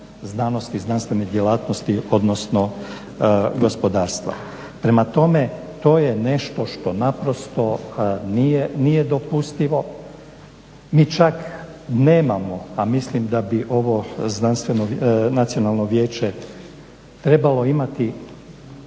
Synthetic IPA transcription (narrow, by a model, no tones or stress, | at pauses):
znano̞st̪iznanst̪ʋe̞ned̪jelaːt̪nost̪io̞d̪no̞sno̞ | ɡo̞spo̞d̪aːɾst̪ʋa̰ | pɾe̞mat̪o̞me̞ | t̪o̞ːjene̞ʃt̪o̞ʃt̪o̞napɾo̞st̪o̞nijenijed̪o̞pust̪iʋo̞ | miːt͡ʃakne̞ːmamo̞amislimd̪abiʔo̞ʋo̞znanst̪ʋenonat̪sio̞nalˠno̞ʋje̞ːt͡ʃe | t̪ɾe̞balo̞imat̪i